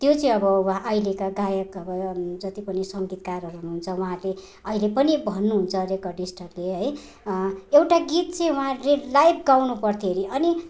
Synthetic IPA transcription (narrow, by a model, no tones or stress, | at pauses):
t̪jot͡sʌĩʌbʌwʔailekaɡajʌkʌbʌd͡zʌt̪ipʌnisʌŋɡit̪karɦʌɾuɦunuɦunt͡sʰʌwaɦãle | ʌilepʌnibʱʌnːuɦunt͡sʰʌɾekʌɖisʈʌkleɦʌj | ewʈaɡit̪̚t͡sʌĩwuɦãlelajbʰɡawnupʌrt̪ʰieɾiʔʌni